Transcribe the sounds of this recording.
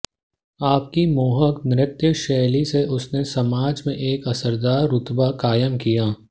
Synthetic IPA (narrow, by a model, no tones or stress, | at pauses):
aːp̚kimoːɦəknɪɾɪt̪jəʃɛːliseʔʊsnesɐmaːd͡ʒmẽʔeːkɐsəɾd̪aːɾːʊt̪bakaːjəmkijaː